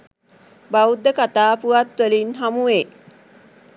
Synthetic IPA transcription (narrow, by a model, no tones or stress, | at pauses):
baud̪əkat̪aːpuat̪ʋəlinɦamue